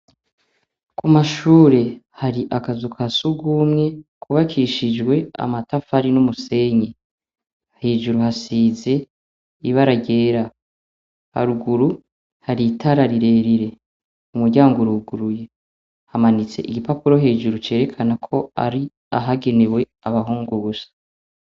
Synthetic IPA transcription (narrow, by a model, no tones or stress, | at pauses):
kumaʃuːɾe̞haɾiʔakazukʰasuɡumŋe̞kʰuβakʰiʃid͡ʒɡwe̞a̰matafaɾinumuse̞ɲe | he̞ːʒuɾuhasiːze̞ | iβaɾaɟe̞ːɾa | ha̰ɾuɡuɾu | haɾitaɾaɾiɾe̞ːɾiɾe̞ | umuɾɟaːŋɡuɾuɡuɾuje̞ | hamanit͡se̞̰ʔiɡipapuɾo̞ɦe̞ːʒuɾut͡ʃe̞ːɾe̞kʰanakʰo̞a̰ɾi | aɦaɡe̞ne̞we̞ | aβaɦuːŋɡuuzḁ